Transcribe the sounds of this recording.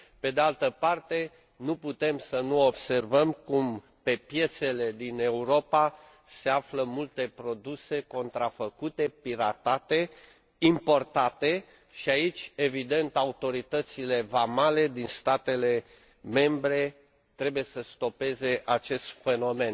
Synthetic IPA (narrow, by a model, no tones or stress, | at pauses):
pe̞d̪ealt̪əpart̪e̞ | nuput̪e̞msənuobse̞rvəmkum | pe̞pje̞t̪se̞le̞d̪ine̞uɾo̞pa | se̞afləmult̪e̞pɾo̞d̪use̞ko̞nt̪ɾafəkut̪e̞piɾat̪at̪e̞ | impo̞rt̪at̪e̞ | ʃiait͡ʃʲe̞vid̪e̞nt̪aut̪o̞ɾit̪ət̪sile̞vamale̞d̪inst̪at̪e̞le̞ | me̞mbɾe̞ | t̪ɾe̞buje̞səst̪o̞pe̞ze̞ʔat͡ʃe̞st̪fe̞no̞me̞n